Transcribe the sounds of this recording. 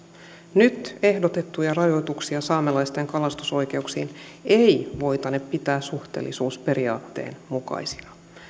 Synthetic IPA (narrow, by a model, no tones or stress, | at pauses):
nyt̪e̞hdo̞t̪e̞t̪ːujɑrɑjo̞jt̪uksiɑsɑːmelɑjst̪eŋkɑlɑst̪u̥so̞jk̟e̞uksiːnejʋo̞jt̪ɑneppit̪æːssuxt̪eːlːisuːspe̞ɾiɑ̰ːt̪ːḛːnmukɑ̰jsi̥ɑ